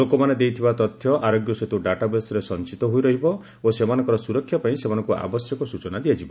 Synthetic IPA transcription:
okɔmaned̪ejt̪ʰibat̪ɔt̪ʰjɔʔaɾoɡjɔset̪uɖaʈabesɔɾesɔnt͡ʃit̪ɔɦujɾɔɦibɔ | osemanɔ̃ŋkɔɾɔsuɾɔkʰːjɔpaĩsemanɔŋkuʔa̰bɔsjɔkɔsut͡ʃɔnad̪ijad͡ʒibɔ

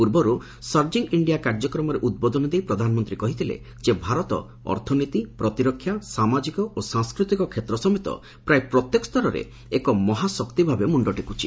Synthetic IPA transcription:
puɾbɔɾu | sɔɾd͡ʒiŋiɳɖijakaɾd͡ʒɔkɾɔmɔɾeʔud̪̚bɔd̪ɔnɔd̪ejpɾɔd̪ʱanɔmɔnt̪ɾikɔɦit̪ʰilḛ | d͡ʒebʱaɾɔt̪ɔ̰ | ɔ̰ɾt̪ʰɔnit̪ipɾɔt̪iɾɔkʰːjasamad͡ʒikɔosãŋskɾut̪ikɔkʰet̪ɾɔsɔmit̪ɔ̰ | pɾajepɾɔt̪jekɔst̪ɔɾɔɾḛ | ekɔmɔɦasɔkt̪ibʱabemuɳɖɔʈekut͡ʃʰi̥

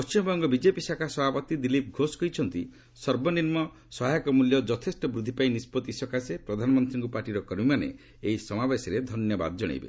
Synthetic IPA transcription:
ppɔst͡ʃimɔbɔŋɡɔbid͡ʒepisakʰasɔbʱapɔt̪id̪ilip̚ɡʱoskɔɦit͡ʃʰɔnt̪i | sɔɾbɔniɾmɔ | sɔɦajkɔmuljɔd͡ʒɔt̪ʰesʈɔbɾud̪ʱːipaĩnispɔt̪isɔkʰasepɾɔd̪ʱanɔmɔnt̪ɾiŋkupaɾʈiɾɔkɔɾmimanḛ | ejsɔmabesɔɾed̪ʱɔnjɔba̰d̪ɔd͡ʒɔɽ̃ḛjbḛ

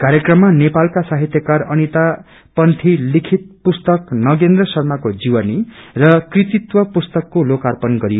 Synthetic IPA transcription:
kaɾjekrʌmːanepalkasaɦit̪jʌkarʌnit̪a | pʌnt̪ʰilikʰit̪̚pust̪ʌknʌɡend̪rʌsʌrmakod͡ziwʌnirʌkrit̪it̪wʌpust̪ʌkːolokarpʌnɡʌɾi

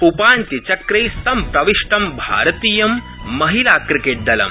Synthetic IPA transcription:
upaːnt̪it͡ʃɐkɾɐjst̪ɐmpɾɐʋiʂʈɐmbʱa̰ːɾɐt̪iːjɐmː | ɐɦilaːkɾikeːʈ̚d̪ɐlɐ̰m

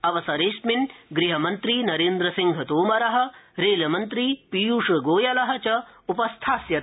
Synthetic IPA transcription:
ɐʋɐsɐɾeːʃminɡɾiɦɐmɐnt̪ɾinɐɾeːnd̪ɾɐsiŋɡʱɐt̪oːmɐɾɐɦɐ̆ɾeːlɐmɐnt̪ɾipijuːʂɐɡoːjɐlɐɦɐ̆t͡ʃɐupɐst̪ʰaːsjɐ

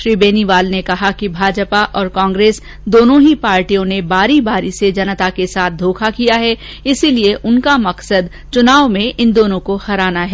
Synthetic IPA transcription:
ʃɾiːbeːniʋaːlnekɐɦakibʱaːd͡ʒpaʔɔːɾkãːŋɡɾeːs | d̪oːnõɦipaːɾʈijõnebaːɾibaːɾised͡ʒɐnət̪akesaːt̪̚ʰd̪ʱoːkʰakijaɦɛ | ɪsilieʔʊnkamɐksəd̪ | t͡ʃʊnaːʋmẽʔɪnd̪oːnõkoxɐɾaːnaɦɛː

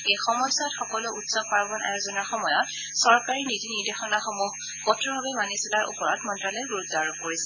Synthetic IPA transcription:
ejxɔmɔsatxɔkɔlʊutsɔɡ̚paɹbɔnʔa̰jozɔnaɹxɔmɔjɔt | sɔɹkaɹinitiniɹdexɔnaxɔmuɦ | kɔtɹɔbʱabɛmanisilaɹʔṵpɔɹɔtmɔntɹalɔjɡuɹutːaɹɔkoɹisɛ

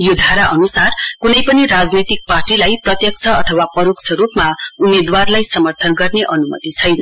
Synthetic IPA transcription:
jod̪ʱaɾaʔʌnusarkunʌjpʌniɾad͡znit̪ik̚parʈilajprʌt̪jʌk̚t͡sʰʌʌt̪ʰʌwapʌɾuksʰʌɾupmaumed̪warlajsʌmʌrt̪ʰʌnɡʌrneʔʌnumʌ̰t̪it͡sʰʌjnʌ

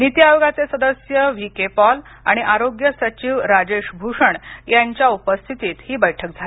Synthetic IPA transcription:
nit̪jajoɡat͡sesəd̪əsjəʋikepɔl | a̰ɽ̃iʔaɾoɡjəsət͡ɕiːʋɾad͡ʑeʂbʱuʂəɳjaɲt͡ɕjaupəst̪ʰit̪iːt̪hiːbəjʈʰək̚d͡zʱale

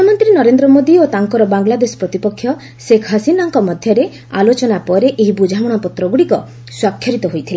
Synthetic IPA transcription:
uamɔnt̪ɾinɔɾend̪ɾɔmod̪iot̪aŋkɔɾɔbaŋlad̪esɔ̥pɾɔt̪ipɔkʰːjɔ | sekʰɦasinɔŋkɔmɔd̪ʱjɔɾe | a̰lot͡ʃɔnapɔɾeʔeɦibud͡ʒʱawɔɽ̃ɔpɔt̪ɾɔɡuɽikɔ | swakʰːjɔɾit̪ɔɦojt̪ʰila

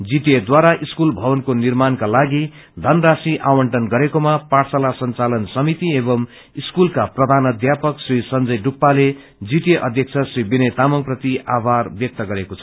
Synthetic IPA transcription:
d͡ziʈed̪waɾaʔiskulbʱʌbʌnkonirmankalaɡi | d̪ʱʌnrasiʔawʌɳʈʌnɡʌɾekomaparsʌlasʌnt͡salʌnsʌmit̪iebʌm | iskulkaprʌd̪ʱanʌd̪japʌksrisʌnd͡zʌjɖupːale | d͡ziʈeʔʌd̪ʱjʌk̚t͡sʰʌsribinet̪amʌŋprʌt̪iabʱarbjʌk̚t̪ʌɡʌɾekot͡sʰʌ

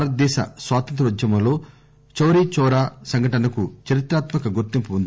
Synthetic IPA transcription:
ɾɐd̪ɛːʃɐ̰sʋaːt̪ɐnt̪ɾʋɐd͡ʒjɐmɐlo̞ː | t͡ʃɐwɾit͡ʃɔːɾaːsɐŋɡʱɐʈɐnɐkut͡ʃɐɾit̪ɾaːt̪mɐkɐɡuɾt̪impuund̪i

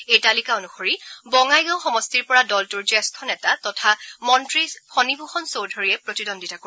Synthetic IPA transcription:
ejtalikaonuxoɹibɔŋajɡãwxɔmɔstiɹpɔɹadɔltʊɹzɛskʰɔnɛtatɔtʰamɔntɹipʰɔnibʱuxɔnsowdʱoɹiɛpɹotidɔndʱitako

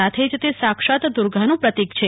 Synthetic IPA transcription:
at̪ʰed͡ʒt̪esakʃat̪d̪uɾɡʱanũpɾət̪ikt͡ʃʰe

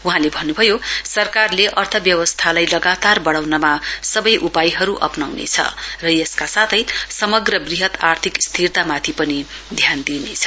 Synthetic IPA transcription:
uɦãlebʱʌnːubʱʌjosʌrkarleʔʌrt̪ʰʌbjʌwʌst̪ʰalajlʌɡat̪arbʌɽawnʌmasʌbʌjʔupajɦʌɾuʔʌ̰pnawnḛt͡sʰʌ̰rʌjeskasat̪ʰʌjsʌmʌɡrʌbriɦʌt̪art̪ʰikst̪ʰirt̪amat̪ʰipʌni | d̪ʱjand̪inet͡sʰʌ

